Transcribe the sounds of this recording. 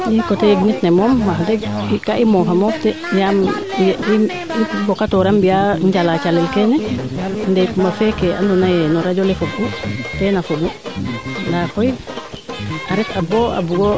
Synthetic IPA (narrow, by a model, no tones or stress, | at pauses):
jikɔtɛɡnitnɛmɔmːaɦdɛikaʔimɔɦamɔftɛ | jam | i | ibɔkatɔɾambijaɲd͡ʒalat͡ʃalːɛlkɛnɛndɛjkumbafɛkɛʔa̰ndɔnajɛnɔɾad͡ʒɔlɛfobutɛnafobu | ndakɔj | aɾɛtabɔa̰buɡɔ